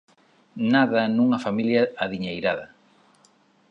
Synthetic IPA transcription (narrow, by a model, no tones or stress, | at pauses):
naðɐnuŋɐfamiljɐːðiɲejɾaðɐ